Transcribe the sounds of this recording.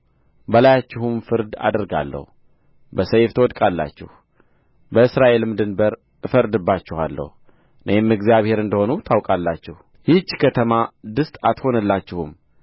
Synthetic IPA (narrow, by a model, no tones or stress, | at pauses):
bəlajat͡ʃːɪhumfɨɾd̪a̰d̪əɾɡa̰lːə̰hu | bəsəjft̪ʰəwɔd̪kʼalːa̰t͡ʃːɪ̰h | bəɨsɾaʔe̞lmɨd̪ɨnbəɾ | ɨfəɾd̪ɨbːat͡ʃːɪha̰lːə̰h | nʔəhemɨɡzjaβhe̞ɾɨnd̪əho̞nut̪ʰawkʼalːat͡ʃːɪh | hit͡ʃːkʰət̪ʰəmad̪ɨst̪ʼat̪ho̞nəlːat͡ʃːɪhum